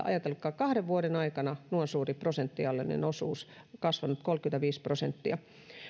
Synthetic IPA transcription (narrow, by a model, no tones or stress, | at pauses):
ʔɑ̰jɑt̪elkːˑɑːkɑhɾeʋʋuoɾenɑikɑnɑnuonsuːriprosent̪ːiɑlːḛnḭnosuːskɑsʋɑnut̪kolkyet̪æʋiːsprosent̪ːiɑ